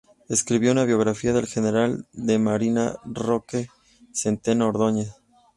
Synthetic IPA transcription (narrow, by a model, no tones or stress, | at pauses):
eskɾiβjo̞unaβjo̞ɣɾafiaðe̞lxene̞ɾald̪e̞maɾina̰roke | sent̪enaoɾðo̞ɲe